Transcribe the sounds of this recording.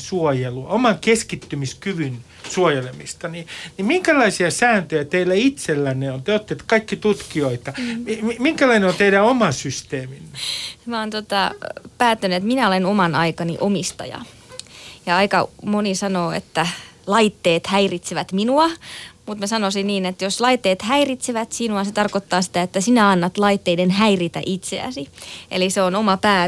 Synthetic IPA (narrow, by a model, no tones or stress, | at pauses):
suojeluɑ̰omɑŋkeskit̪ːymiskyʋyn | suojelemist̪ɑninimiŋkælɑisiɑsæːnt̪øjæt̪eilæit̪selːænːeont̪yøot̪ːet̪kɑikːit̪ut̪kioit̪ɑmiimiŋkælɑineont̪eiɾæomɑsyst̪eːminmæoːnt̪ot̪ɑpæːt̪ːænyet̪minæolenomɑnɑikɑnḭʔomist̪ɑ̰jɑ̰ | jɑɑikɑmonisɑnoːḛt̪ːælɑit̪ːeːt̪hæirit̪seʋæt̪minuɑmut̪mæsɑnosinniːnet̪joslɑit̪ːeːt̪hæirit̪siʋæt̪sinuɑset̪ɑrkot̪ːɑːsi̥t̪æet̪ːæsinæɑnːɑt̪lɑit̪ːeidenhæirit̪æ̰ʔit̪seæ̰siʔḛliseonomɑpæː